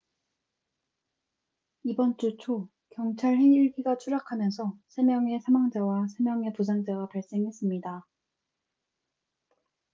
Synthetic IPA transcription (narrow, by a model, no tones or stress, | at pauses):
ibʌnt͡ɕ͈ot͡ɕʰo | kjʌŋt͡ɕʰaɭɦeŋiɭɡiɡat͡ɕʰuɾakʰamjʌnsʰʌsʰe̞mjʌŋe̞sʰamaŋd͡ʑawasʰe̞mjʌŋe̞pus̬ʰaŋd͡ʑaɡapaɭs͈e̞ŋɦe̞s͈ɯmɲida